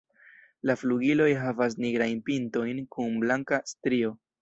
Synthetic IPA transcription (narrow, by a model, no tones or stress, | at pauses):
lafluɡilo̞jɦavas̬niɡɾajnpinto̞jnkunblaŋkastɾio̞